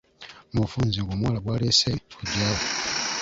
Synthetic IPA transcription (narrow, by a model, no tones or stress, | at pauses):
mufuːnziŋɡoːmwaːlaβwaːlesekuɟaːwo